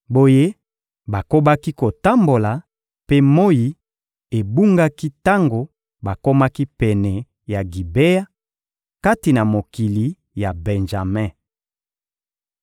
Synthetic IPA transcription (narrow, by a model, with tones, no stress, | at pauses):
bo˦je˦ | ba˨ko˦ba˦ki˦ko˨ta˦mbo˨la˨ | pe˦mo˦ji˨ | e˨bu˦ŋɡa˦ki˦ta˦ŋɡo˨ | ba˨ko˦ma˦ki˦pɛ˨nɛ˨ | ja˨ɡi˨be˦ja˦ | ka˦ti˨na˨mo˨ki˨li˨ | ja˨bɛ̃˨nʒa˨mɛ̃˦